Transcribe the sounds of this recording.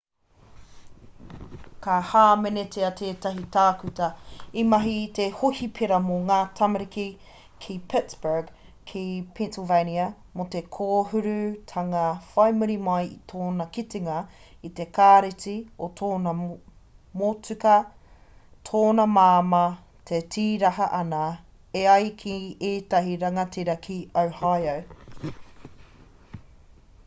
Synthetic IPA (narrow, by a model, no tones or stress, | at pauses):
kahaːmenetʰeɐtʰeːtɐɦitaːkʉtɐimɐɦit̪ehohipʰeɾɐmoŋaːtʰɐmɐɾiki | kʰipʰɪtsb̥ə˞ɡ | kʰipʰẽnsɪlveniɐ | mote̞kʰoːɦʉɾʉtʰɐŋɐfɐjmuɾimɐjit̪ʰoːnɐkitiŋɐ | it̪e̞kʰaːɾit͡siot̪ʰoːnɐ | mot͡sʉkɐ | t̪ʰoːnɐmaːmɐ | tʰetiːɾɐɦɐʔɐnɐ | eɐjkʰieːt̪ɐɦiɾɐŋɐtiɾɐkʰiowhɑjow